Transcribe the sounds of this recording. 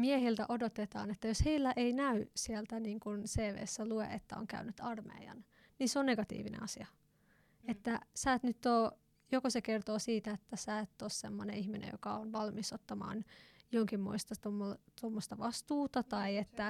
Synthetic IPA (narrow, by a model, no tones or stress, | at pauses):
miehilt̪æ̰ʔodot̪et̪ɑ̰ːnet̪ːæjosheilːæʔeinæysielt̪æniːŋkunseːʋḛːsːæluḛʔet̪ːæo̰ŋkæ̰ynyt̪ɑrmḛiɑ̰n | ninseonneɡɑt̪ḭːʋinḛɑsiɑ | et̪ːæsæːt̪nyt̪ːoː | jokosekert̪oːsiːt̪æet̪ːæsæːet̪ːossemːoneihminḛjo̰kɑonʋɑlmisot̪ːɑmɑ̰ːnjoŋkimːoist̪ɑt̪omːot̪omːost̪ɑʋɑst̪uːt̪ɑt̪ɑiet̪ːæ